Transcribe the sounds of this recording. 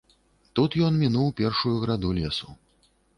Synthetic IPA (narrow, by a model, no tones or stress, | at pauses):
t̪ut̪jɔnmʲinuwpʲɛrʂujuɣɾad̪ulʲɛsu